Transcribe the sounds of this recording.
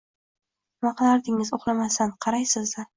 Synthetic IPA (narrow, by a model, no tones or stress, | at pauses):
mɑqlaɾd̪ɪŋɪzoχlˠamasanqʰɑɾajsɪzd̪ɪ